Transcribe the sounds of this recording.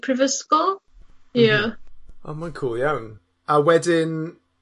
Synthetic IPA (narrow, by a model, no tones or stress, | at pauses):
pʰɹɪvəskɔ | ja | oːmankʰuːlˠjawn | awɛdɪn